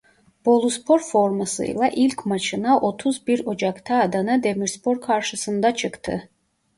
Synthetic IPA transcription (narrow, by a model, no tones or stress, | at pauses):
b̥o̞lˠuspʰo̞ɾfo̞ɾmasɯ̰jlˠaʔilʲcmat͡ʃʰɯnaʔo̞t̪ʰuzbiɾo̞d͡ʒakt̪ʰaːd̪anɯd̪e̞miɾspʰo̞ɾkʰaɾʃɯsɯnd̪at͡ʃʰɯkt̪ʰɯ̰